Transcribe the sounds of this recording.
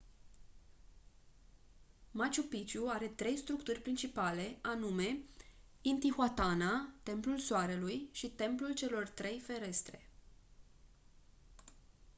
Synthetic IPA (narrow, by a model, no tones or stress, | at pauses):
mat͡ʃupit͡ʃuaɾe̞t̪ɾe̞jst̪ɾukt̪urʲpɾint͡ʃipale̞anume̞ | int̪ixoat̪anat̪e̞mplulsoaɾe̞lujʃit̪e̞mplult͡ʃe̞lo̞rt̪ɾe̞jfe̞ɾe̞st̪ɾe̞̰